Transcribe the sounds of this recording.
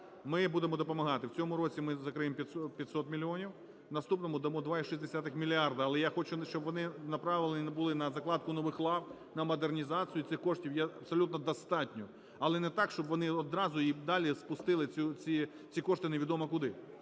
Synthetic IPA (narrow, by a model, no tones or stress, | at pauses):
mɪbud̪emɔd̪ɔpɔmɐɦɑt̪ɪwt͡sʲɔmʊɾɔt͡sʲimɪzɐkɾɪjempʲjɐt̪sɔpʲjɐt̪ʲsɔt̪mʲilʲiɔnʲiw | nɐst̪upnɔmʊd̪ɐmɔd̪ʋɑiʃisʲd̪esʲat̪ɪxmʲilʲiɑrd̪ɐɐːlˠɛjaxɔt͡ʃʊʃt͡ʃɔbʋɔnɪnɐpɾɑʋɪlˠenʲibʊlˠɪnɐzɐklˠɑd̪kʊnɔʋɪxlˠɑw | nɐmɔd̪ernʲizɑt͡sʲijʊt̪sɪxkɔʂtʲiwjɛɐpsɔlʲut̪nɔd̪ɐst̪ɑtʲnʲɔ | ɐlˠɛnɛt̪ɑkʃt͡ʃɔbʋɔnɪɔd̪ɾɑzʊid̪ɑlʲispʊst̪ɪlˠɪt͡sʲut͡sʲi | t͡sʲikɔʃt̪ɪneʋʲid̪ɔmɐkʊd̪ɪ